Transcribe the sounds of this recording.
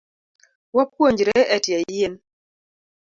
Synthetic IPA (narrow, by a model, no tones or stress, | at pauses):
wap̚kwoɲd͡ʒɾɛɛtjajen